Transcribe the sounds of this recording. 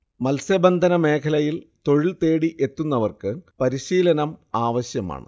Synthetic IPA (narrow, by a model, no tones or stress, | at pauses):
mɐlsɐbɐnd̪ʱɐnɐme̞ːkʰɐlɐjilt̪o̞ɻilt̪e̞ːɽiʔe̞t̪ːunːɐʋɐrkɨpɐɾiɕiːlɐnɐmaːʋɐɕjɐma̰ːɳɨ̰